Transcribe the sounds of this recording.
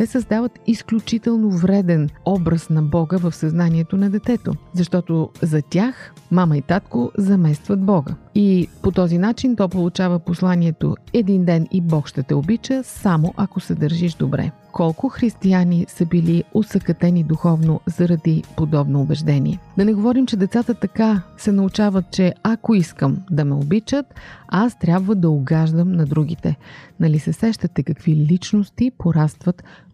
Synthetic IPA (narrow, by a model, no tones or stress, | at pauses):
t̪ɛsəzd̪avət̪isklʲut͡ʃit̪ɛlˠnovɾɛd̪ɛnɔbɾəsnɐbɔɡəvəfsɐznaniɛt̪onɐd̪ɛt̪ɛt̪o̰zɐʃt̪ɔt̪ozɐt̪ʲaxmamɐit̪at̪kozɐmɛst̪vɐt̪̚bɔɡə̰ipot̪ɔzinat͡ʃint̪ɔpolˠut͡ʃavəposlˠaniɛt̪o̰ɛd̪ind̪ɛnibɔkʃt̪ɛt̪ɛobit͡ʃəsamoʔɐkosɛd̪əɾʒiʃd̪obɾɛ̰ | kɔlˠkʊxɾist̪ianisəbiliosɐkɐt̪ɛnid̪uxɔvnozɐɾɐd̪ipod̪ɔbnoːbɛʒd̪ɛnʲḭɛd̪ɐnɛɡovɔɾimt͡ʃɛd̪ɛt̪sat̪ət̪ɐkasɛnɐʊt͡ʃavət̪̚t͡ʃɛakoiskəmd̪ɐmɛobit͡ʃət̪ast̪ɾʲabvəd̪ɐoɡaʒd̪əmnɐd̪ɾuɡ̟it̪ɛnɐlisɛsɛʃt̪ət̪ɛkɐkv̥ilit͡ʃnost̪ipoɾast̪vət̪